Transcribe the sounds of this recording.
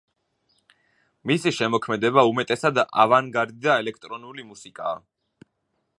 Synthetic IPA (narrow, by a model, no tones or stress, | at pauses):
misiʃɛmɔkʰmɛd̪ɛbaumɛt̪ʼɛsad̪ʔavaŋɡaɾd̪id̪aɛlɛkʰt̪ʼɾɔnulimusikʼaː